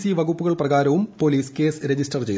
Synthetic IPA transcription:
siʋɐɣupːuɣɐɭprɐɣaːɾɐʋumpo̞ːliːske̞ːsɾed͡ʑisʈɐrt͡ɕe̞j

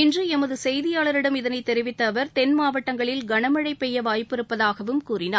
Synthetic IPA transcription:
ɪndrɯɛmɐðɯsɛjðɪjaːɭɐɾɪɽɐmɪðɐnɐɪt̪ːɛɾɪʋɪt̪ːɐːʋɐɾt̪ɛnmaːʋɐʈːɐŋɡɐɭɪlɡɐɳɐmɐɻɐɪpːɛjːɐʋaːjpɪɾɯpːɐðaːɣɐʋɯmkuːrɪnaː

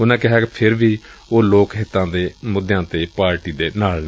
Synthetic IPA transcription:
ʊnãːkɪɦaːkepʰɪɾʋiːoːloːkɦɪt̪ːãːd̪eːmʊd̪jãːt̪eːpaːɾʈiːd̪eːnaːln

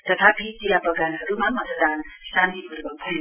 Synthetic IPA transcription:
t̪ʌt̪ʰapit̪ijapʌɡanɦʌɾumamʌt̪əd̪ansãnt̪ipuɾbʌpʰun

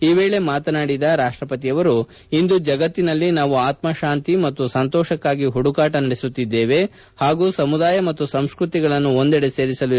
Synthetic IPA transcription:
iːʋeːɭe̞maːt̪ɐnaːɽid̪ɐɾaːʂʈɾɐpɐt̪ijɐʋɐɾu | ind̪ud͡ʒɐɡɐt̪ːinɐlːinaːʋuaːt̪mɐʃaːnt̪imɐt̪ːusɐnt̪ɔːʃɐkːaːɡiɦuɽukaːʈɐnɐɽesut̪ːid̪ːeːʋe̞ | haːɡuːsɐmud̪aːjɐmɐt̪ːusɐmskɾut̪iɡɐɭɐnːuo̞nd̪ɛɽese̞ːɾisɐlu

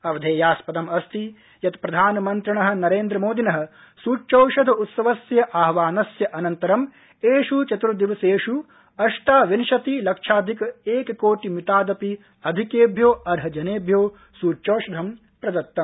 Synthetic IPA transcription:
ɐʋɐd̪ʱeːjaːspɐd̪ɐmɐst̪i | jɐt̪pɾɐd̪ʱaːnɐmɐnt̪ɾɐɳɐɦɐ̆nɐɾeːnd̪ɾɐmoːd̪inɐɦɐ̆ | suːt͡ʃɐwʃɐd̪ʱɐut̪sɐʋɐsjɐʔaːɦʋaːnɐsjɐʔɐnɐnt̪ɐɾɐm | eːʃut͡ʃɐt̪ɾɐd̪iʋɐseːʃu | ɐʂt̪aːʋinʃɐt̪ilɐkʂaːd̪ʱikɐeːkɐkoːʈimit̪aːd̪ɐpi | ɐd̪ʱikeːbʱjoːɐɾɦɐd͡ʒɐneːbʱjoː | suːt͡ʃɐwʃɐd̪ʱɐm | pɾɐd̪ɐt̪ːɐm

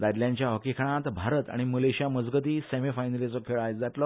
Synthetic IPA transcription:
d̪aɾljãɲt͡ɕjaɦəkikʰəɽ̃ãt̪bʱaɾət̪a̰ɽ̃iməleɕiaməd͡zɡət̪iːsemifajnəlit͡sɔkʰeɭajt͡sd͡zaʈlɔ

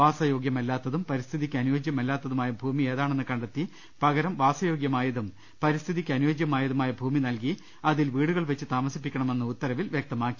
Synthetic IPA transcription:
ʋaːsɐjo̞ːɡjɐmɐlːaːt̪ːɐðumpɐɾist̪ʰiðikʲːɨɐnuʋɐd͡ʑjɐmɐlːaːt̪ːɐðumaːjɐbʱuːmieːðaːɳenːɨkɐɳɖɐt̪ːi | pɐɣɐɾɐmʋaːsɐjo̞ːɡjɐmaːjɐðum | pɐɾist̪ʰiðikʲːɐnuʋɐd͡ʑjɐmaːjɐðumaːjɐbʱuːminɐlki | ɐðilʋiːɽuɣɐɭʋet͡ɕːɨt̪aːmɐsipːikʲːɐɳɐme̞nːɨut̪ːɐɾɐʋilʋjek̚t̪ɐmaːkːi

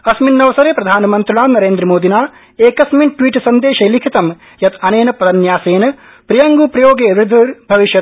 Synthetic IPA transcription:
ɐsminːɐʋɐsɐɾeːpɾɐd̪ʱaːnɐmɐnt̪ɾulaːmnɐɾeːnd̪ɾɐmoːd̪inaː | eːkɐsminʈʋiːʈsɐnd̪eːʃɐjlikʰit̪ɐm | jɐt̪ʰɐneːnɐpɐɾɐnjaːseːnɐ | pɾijɐŋɡupɾɐjoːɡeːʋɾɪd̪ʱuɾbʱɐʋiʃjɐt̪̚

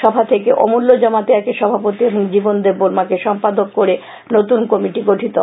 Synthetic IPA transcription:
ʃɔbʱat̪ʰekeʔɔ̰mulːod͡ʑɔmat̪eɛkeʃɔbʱapot̪ieboŋd͡ʑibond̪eɾboɾmakeʃɔmpad̪okːoɾe | not̪unkomiʈiɡoʈʰit̪o

